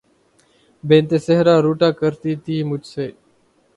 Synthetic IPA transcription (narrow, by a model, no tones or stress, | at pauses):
bẽːnt̪eːseɦɾaːɾuːʈaːkəɾt̪iːt̪iːmʊd͡ʒseː